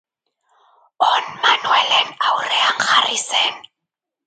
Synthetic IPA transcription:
ɔnmanuɛlɛn̩aurɛaŋ̩χarisɛːn̩

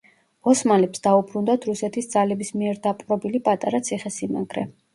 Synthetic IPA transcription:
ɔsmalɛpsd̪aubɾund̪at̪ʰɾusɛt̪ʰisd̪zalɛbismiɛɾd̪apʼɾɔbilipʼat̪ʼaɾat̪sʰiχɛsima̰ɡɾɛ

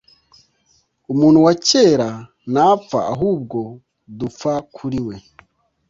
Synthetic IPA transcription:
umuːn̤̥huwace̞ːɾa | nafa̰ːɦuːb̚ɡo̞ | dufakʰuɾiwe̞

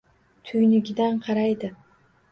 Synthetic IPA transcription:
t̪ʰʊjnɪɡʲɪd̪anqʰɑɾajd̪ɪ

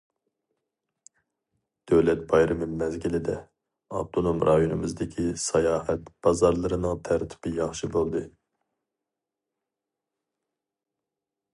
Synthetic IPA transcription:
d̪̥øwlɛt̪̚bɑjɾɨmɨmɛzɡʲilɪd̪ɛ | ɑ̰b̚t̪ʰonomɾʔɑjonɨmɨzd̪ɪkʲʰisɑjɑːhɛt̪b̥ɑzɑɾlˠɨɾɨnɨŋt̪ʰæɾt̪ʰɪ̥b̥ɪjɑχʃɨbolˠd̪ɨ

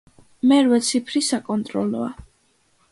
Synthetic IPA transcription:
mɛɾvɛt̪sʰipʰɾisakʼɔnt̪ʼɾɔlɔ̰a̰

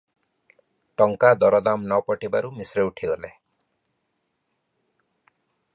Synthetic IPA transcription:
ʈɔŋkad̪ɔɾɔd̪amnɔpɔʈibaɾumisɾeuʈʰiɡɔle

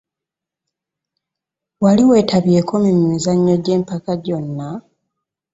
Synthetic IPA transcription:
waliwe̞ːtʰaβje̞ːkʰo̞mumimizaɲːo̞ɟe̞ːmpakaɟo̞nːa

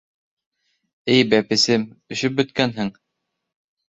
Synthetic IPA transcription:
ɘjbæpɘ̆sɘmɵ̆ʃɵp̚bɵ̆t̪̚kænɦɘŋ

